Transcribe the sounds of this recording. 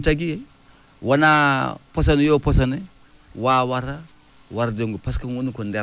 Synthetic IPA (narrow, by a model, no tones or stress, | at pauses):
t͡ʃaɡije | wanapos̬anjoposane | wawaɾa | waɾdeŋɡupaskanwunikonde